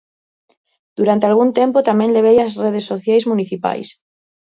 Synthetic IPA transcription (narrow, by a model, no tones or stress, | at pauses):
d̪̥uɾant̪ealɣunt̪empot̪amẽnleβ̞ejasreð̞esːoθjajzmũniθipa̰js